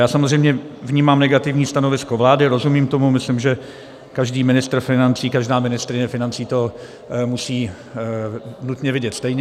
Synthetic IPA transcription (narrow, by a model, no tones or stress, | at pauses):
jaːsamozrɛjmɲɛvɲiːmaːmnɛɡat̪ɪvɲiːst̪ano̞vɪskovlaːdɪɾo̞zumiːmt̪o̞mumɪslɪmʒɛ | kaʒdiːmɪnɪst̪rfɪnant͡siːkaʒdaːmɪnɪst̪ɾɪɲɛfɪnant͡siːt̪o | musiː | nut̪ɲɛvɪɟɛt̪st̪ɛjɲɛ